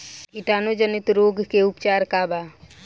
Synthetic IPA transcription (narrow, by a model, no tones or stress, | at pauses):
iʈaːnod͡ʒənɪt̪ɾoːɡʱkeupt͡ʃaːɾkaːbaː